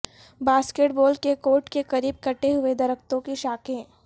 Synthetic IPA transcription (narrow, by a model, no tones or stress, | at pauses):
baːskeːʈ̚boːlkekoːɾʈkekɐɾiːb̚kɐʈeɦʊed̪ɐɾək̚t̪õkiʃaːkẽː